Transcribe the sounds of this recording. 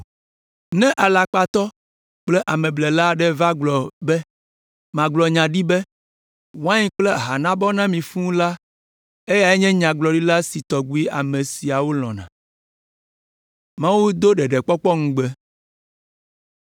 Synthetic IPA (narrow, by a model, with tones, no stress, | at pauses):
nɛ̃˦ʔa˨la˨k͡pa˨t̪ɔ˦ | k͡plɛ˦ʔa˨mɛ̃˨blɛ˨la˦ɖɛ˦va˦ɡ͡blɔ˨bɛ˦ | mã˨ɡ͡blɔ˨ɲã˨ɖi˦bɛ˦ | wã˦ɲĩ˦k͡plɛ˦ɦa˨nã˦bɔ˦nã˦mĩ˨fũ˦la˦ | e˦ja˨ɛ˦ɲɛ̃˦ɲã˨ɡ͡blɔ˨ɖi˦la˦si˨t̪ɔ˨ɡu˦i˦a˨mẽ˨si˨a˨wo˦l̃ɔ̰̃˨nã̰˨ | mã˦wu˦d̪o˦ɖɛ˨ɖɛ˨k͡pɔ˦k͡pɔ˦ŋũ˦ɡ͡bɛ˦